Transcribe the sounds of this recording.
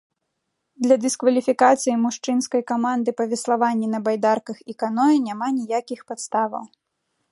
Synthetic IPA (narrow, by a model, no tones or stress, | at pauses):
d̪lʲɐd̪ɨskvɐlʲifʲikat̪sɨjimuʂt͡ʂɨnskɐjkamand̪ɨpɐvʲɛslˠavanʲːinɐbajd̪arkɐxikanɔjinʲamanʲijakʲixpat̪st̪avɐ̰w